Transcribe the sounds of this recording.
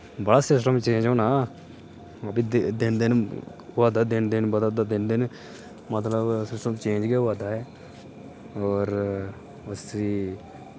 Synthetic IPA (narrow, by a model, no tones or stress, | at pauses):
bəɽaːsɪsʈəmt͡ʃẽːɲd͡ʒoːnaː | əbid̪d̪ɪnd̪en | ʋaːd̪aːd̪ɪnd̪enbəd̪aːd̪ad̪ɪnd̪en | mət̪ləbsɪsʈəmt͡ʃẽːɲd͡ʒɡeʋaːd̪aːɛː | ɔːɾ | ʊsi